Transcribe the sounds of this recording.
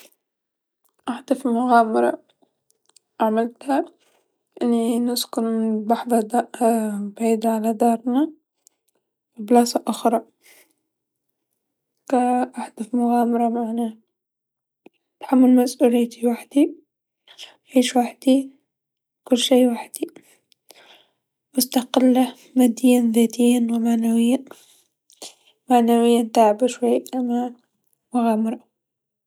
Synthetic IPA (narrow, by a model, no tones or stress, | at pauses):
ʔaħd̪afmʊɣaːmɑɾˤɑ̰ | ʔaʕmalt̪a | ʔɪnːinʊskʊnɪbaħðˤɑd̪ɑbʕiːd̪aʕalad̪ɑːɾˤna | wɪblaːsaʔʊxɾˤɑ | kaʔaħd̪afmʊɣaːmɑɾˤɑmaʕna | t̪ħamːalmasʔuːlɪjːt̪ʰiwaħd̪̥i | ʕiːʃwaħd̪̥i | kʊlːʃeːwaħd̪̥i | mʊst̪aqɪlːa | mad̪ɪːnðaːt̪ijːanwɪmaʕnawɪjːa | maʕnawɪjːant̪aːʕbaʃwajːʔama | mʊɣaːmɑɾˤɑ